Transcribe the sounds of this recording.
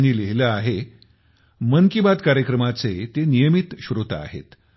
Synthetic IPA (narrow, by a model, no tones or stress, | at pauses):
ñiːleɦiləaɦe | mənkibad̪kaɾjəkɾəmat͡set̪enijəmit̪ɕɾut̪a̰a̰ɦḛt̪